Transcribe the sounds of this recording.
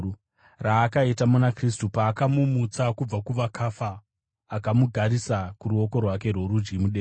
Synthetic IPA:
raːkaitamunakris̬tupaːkamumut͡sakub͡vakuʋakʰafaː | kamuɡʱaɾisakuɾuo̞ko̞rwak̬e̞rwoɾud͡ʒɡimuɗe

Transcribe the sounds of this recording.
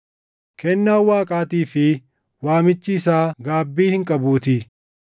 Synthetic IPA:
kɛnːaːwaːkʼaːt̪iːfɪ | waːmɪt͡ʃːɪːsaːɡaːbːiːhɪŋkʼɐbuːt̪ɪ

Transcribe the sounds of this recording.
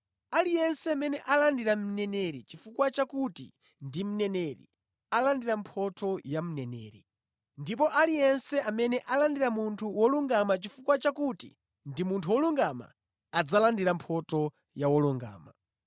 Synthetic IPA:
alijɛnsɛmɛnɛʔalandiɾam̩nɛnɛɾit͡ʃifukwat͡ʃakutḭ | ndim̩nɛnɛɾḭ | alandiɾampʰɔtʰɔjam̩nɛnɛ̰ːɾi | ndipɔʔalijɛnsɛʔamɛnɛʔalandiɾamuntʰuwɔluŋɡamat͡ʃifukwat͡ʃakutḭ | ndimuntʰuwɔluŋɡama̰ | ad͡zalandiɾampʰɔtɔ | jawɔluŋɡa̰ːma

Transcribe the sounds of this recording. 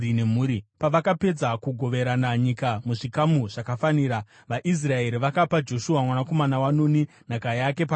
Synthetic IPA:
inemuːɾipaʋakape̞d͡zakuɡʱo̞ʋe̞ɾanaɲikamuʐikamuʐakafaniːɾa | ʋaʔis̬rae̞ɾiʋakapad͡ʒo̞ʃuwamwanako̞manawano̞ni | n̤akajake̞pa

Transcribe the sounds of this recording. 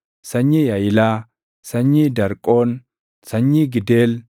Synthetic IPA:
sɐɲːiːjɐjɪlaː | sɐɲːiːd̪ɐɾkʼoːn | sɐɲːiːɡɪd̪eːl

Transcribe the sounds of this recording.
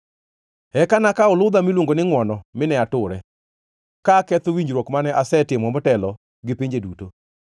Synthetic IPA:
ɛkanakaʊlʊd̪amilwoŋɡonɪŋwɔnɔmɪnɛatʊɾɛ | kakɛt̪owiɲd͡ʒɾwokmanɛʔasɛtɪmɔmɔtɛlɔ | ɡɪpiɲd͡ʒeduto

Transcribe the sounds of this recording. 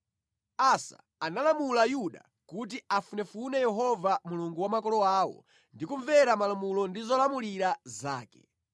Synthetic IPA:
asa̰ | analamulajuɗa̰ | kut̬iafunɛfunɛjɛɦɔvamuluŋɡuwamakɔlɔaːwɔ̰ | ndikuɱvɛɾamalamulɔndizɔlamuliɾaza̰ːkɛ̥̰

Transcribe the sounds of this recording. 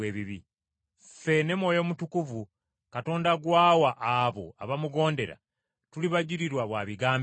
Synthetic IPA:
eːβiβi | fe̞ne̞mwo̞ːjo̞ːmutukuvu | kato̞ːndaɡwaːwaʔːβo̞̰a̰βamuɡo̞ːnde̞ɾa̰ | tuliβaɟiɾiɾwaβwaːβiɡaːm

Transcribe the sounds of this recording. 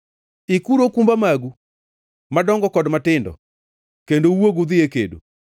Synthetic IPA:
ikuɾokumbamaɡu | madɔŋɡɔkɔdmatɪndɔ̰ | kendowoɡud̪ɪekḛdo̰

